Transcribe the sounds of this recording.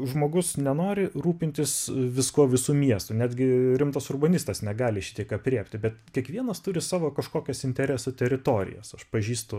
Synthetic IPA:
ʒmoːɡʊsnʲɛnoːɾʲɪruːpʲɪnʲt̪ʲɪsʋʲɪskuɔʋʲɪsuːmʲiɛst̪ʊnʲæːd̪ʲɡʲɪɾʲɪmt̪ɐsʊrbɐnʲɪst̪ɐsnʲɛɡɑːlʲɪʃʲɪ̥t̪ʲiɛkɐpʲrʲiɛpʲt̪ʲɪbʲɛt̪kʲiɛkʋʲiɛnɐst̪ʊɾʲɪsɑːʋoːkɐʃkoːkʲɛsɪnʲt̪ʲɛɾʲæːsʊt̪ʲɛɾʲɪt̪oːɾʲɪ̰jɛ̰sɐʃpɐʒʲiːst̪ʊ

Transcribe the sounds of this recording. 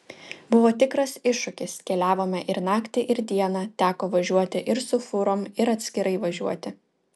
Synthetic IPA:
bʊʋoːt̪ʲɪkɾɐsɪʃːʊkʲɪskʲɛlʲæːʋoːmʲɛʔɪɾnɑːkt̪ʲɪʔɪɾd̪ʲiɛnɑt̪ʲæːkoːʋɐʒʲuɔt̪ʲɪʔɪɾsʊfʊɾoːmɪɾɐt̪ʲsʲkʲɪɾɐɪʋɐʒʲuɔt̪ʲɪ

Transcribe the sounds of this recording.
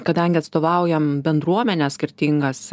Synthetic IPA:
kɐd̪ɐŋʲɡʲɪɐt̪st̪oːʋɐʊjɛmbʲɛnd̪ɾuɔmʲɛnʲɛːsʲkʲɪɾʲt̪ʲiŋɡɐs

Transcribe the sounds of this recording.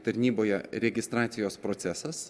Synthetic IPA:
t̪ɐɾʲnʲiːboːjɛɾʲɛɡʲɪst̪ɾɑːt̪sʲɪjoːspɾoːt̪sʲæsɐs

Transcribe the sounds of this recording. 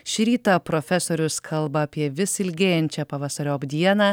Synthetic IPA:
ʃʲɾʲiːt̪ɑpɾoːfʲɛsoːɾʲʊskʰɐlˠbɐːpʲiɛʋʲɪsɪlʲɡʲeːjɛnʲt͡ʃʲɛpɐʋɑːsɐɾʲoːbd̪ʲiɛnɑː

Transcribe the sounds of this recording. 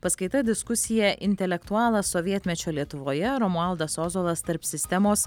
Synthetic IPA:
pɐskɐɪt̪ɐd̪ʲɪskʊsʲɪjɛʔɪnʲt̪ʲɛlʲɛkt̪ʊɑːlˠɐsɔʋʲiɛt̪ʲmʲɛt͡ʃʲoːlʲiɛt̪ʊʋoːjɛɾɔmuɐlˠd̪ɐsoːzoːlˠɐst̪ɐɾpsʲɪsʲt̪ʲɛmoːs

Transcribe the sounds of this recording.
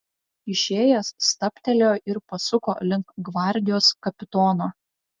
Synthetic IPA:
ɪʃʲeːjɛsst̪ɐpʲt̪ʲɛlʲoːʔɪɾpɐsʊkoːlʲɪŋkɡʋɑˑɾʲd̪ʲɪjoːskɐpʲɪt̪ɔːnoː

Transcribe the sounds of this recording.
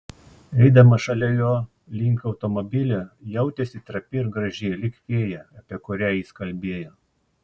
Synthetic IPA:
ɛɪd̪ɐmɐʃɐlʲɛjoː | lʲɪŋʲkɐʊt̪omobʲɪlʲojɛʊt̪ʲɛsʲit̪ɾɐpʲɪɪɾɡɾɐʒʲeːlʲɪkʋʲeːjɛɐpʲiɛkʊɾʲæjɪskɐlʲbʲeːjoː

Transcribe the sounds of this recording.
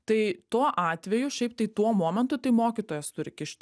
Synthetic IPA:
t̪ɐɪt̪uɔʔɑːt̪ʲʋʲɛjʊʃʲɛɪp̚t̪ɐɪt̪uɔmoːmʲɛnt̪ʊt̪ɐɪmoːkʲit̪oːjɛst̪ʊɾʲɪkʲɪʃʲt̪ʲ

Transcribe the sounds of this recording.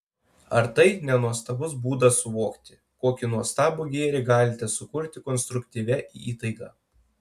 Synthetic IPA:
ɐɾt̪ɐɪnʲɛnuɔst̪ɐbʊsbuːd̪ɐsʊʋoːkt̪ʲɪ̥ | koːkʲɪnuɔst̪ɑːbuɡʲeːɾʲɪɡɑːlʲɪt̪ʲɛsʊkʊɾʲt̪ʲɪkɔnst̪ɾʊkʲt̪ʲiːʋʲɛʔḭːiːt̪ɐɪɡɑ̰ː

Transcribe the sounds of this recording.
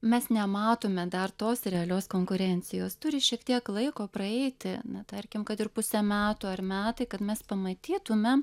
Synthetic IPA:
mʲɛsnʲɛmɑːt̪omʲɛd̪ɐrt̪oːsɾʲɛɐlʲoːskoːŋkʊɾʲɛnʲt͡ssʲɪjoːst̪ʊɾʲɪʃʲiɛkt̪ʲiɛklˠɐɪkoːprɐɛɪt̪ʲɪnɐt̪ɐɾʲkʲɪmkɐt̪ɪrpʊsʲɛmʲæːt̪uːɐrmʲæːt̪ɐɪkɐt̪mʲɛspɐmɐt̪ʲiːt̪ʊmʲɛm

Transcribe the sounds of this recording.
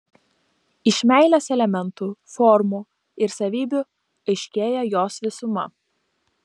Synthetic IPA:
ɪʃʲmʲæˑɪlʲɛsɛlʲɛmʲɛnt̪uːfɔɾmuː | ɪɾsɐʋʲiːbʲʊ | ɐɪʃʲkʲeːjɛjoːsʋʲɪsʊmɐ

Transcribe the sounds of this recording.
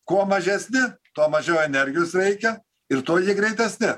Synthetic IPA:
kuɔmɐʒʲɛsʲnʲɪt̪uɔmɐʒʲɛwɛnʲɛɾʲɡʲɪjoːsɾʲɛɪkʲɛ | ɪɾt̪oːjɪɡɾʲɛɪt̪ʲɛsʲnʲɪ

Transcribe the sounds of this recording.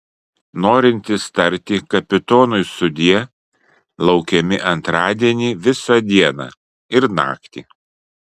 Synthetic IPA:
noːɾʲɪnʲt̪ʲɪst̪ɐɾʲt̪ʲikɐpʲɪt̪oːnʊɪsʊd̪ʲiɛ | lˠɐʊkʲɛmʲɪʔɐnt̪ɾɑːd̪ʲiɛnʲiːʋʲɪsɑd̪ʲiɛnɑ̰ː | ɪɾnɑ̰ːkt̪ʲḭː

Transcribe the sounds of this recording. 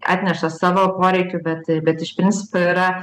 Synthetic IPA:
ʔɑ̰ːt̪ʲnʲɛʃɐssɑːʋoːpoːɾʲɛɪkʲʊbʲɛt̪bʲɛt̪ɪʃpʲɾʲɪnʲt͡s̪ʲɪ̥poːiːɾɐ

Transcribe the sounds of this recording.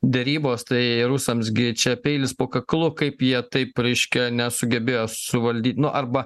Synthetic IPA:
d̪ʲɛɾʲiːboːst̪ɐɪɾʊsɐms̬ɡʲɪt͡ʃʲɛpʲɛɪlʲɪspoːkɐklˠʊkɐɪpjiɛt̪ɐɪpɾʲɛɪʃʲkʲɛnʲɛsʊɡʲɛbʲeːjoːsʊʋɐlʲd̪ʲiːt̪ʲnʊʔɐɾbɐ

